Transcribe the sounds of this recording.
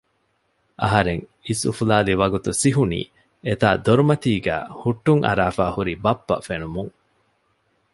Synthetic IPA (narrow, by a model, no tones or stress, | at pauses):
ʔɐɦɐɾeŋisṵfulaːliʋɐɡut̪usiɦunḭː | et̪a̰ːd̪oɾumɐt̪iːɡæ̰ːhuʈːuŋʔɐ̰ɾaːfaːhuɾibɐpːɐ̰fenumuŋ